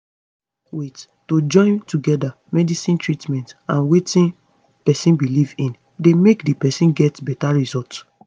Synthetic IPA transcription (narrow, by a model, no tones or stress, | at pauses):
wet | tod͡ʒɔ̃ɪ̃ntuɡɛda | mɛdisĩntɹitmɛ̃ntãnwetĩn | pɛsĩnbilivĩn | demekdipɛsĩnɡɛtbɛtaɹizɔlt